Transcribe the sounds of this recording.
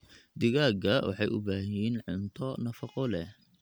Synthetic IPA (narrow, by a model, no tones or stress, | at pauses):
d̪ɪɣaːɡɐwɑ̰ħɑjʔʊ̰baːɦɪjiːnʕʊnt̪ʰɔnɐfɑqɔlɛ